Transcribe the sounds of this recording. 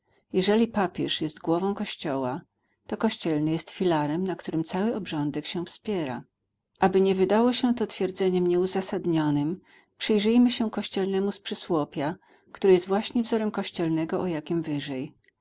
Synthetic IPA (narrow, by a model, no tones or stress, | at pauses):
jɛʐɛlʲipapʲjɛʂjɛst̪ɡwɔvɔ̃w̃kɔɕt͡ɕɔwa | t̪ɔkɔɕt͡ɕɛlnɘjɛst̪fʲilaɾɛmnakt̪uɾɘmt̪sawɘɔbʐɔnd̪ɛkɕɛ̃fspʲjɛɾa̰ | ʔabɘɲɛvɘd̪awɔɕɛt̪ɔt̪fʲjɛɾd̪zɛɲɛmɲɛuzasad̪ɲɔnɘm | pʂɘjʐɘjmɘɕɛkɔɕt͡ɕɛlnɛmuspʂɘswɔpʲa | kt̪uɾɘjɛst̪vwaɕɲɛvzɔɾɛmkɔɕt͡ɕɛlnɛɡɔʔɔjakʲimvɘʐɛj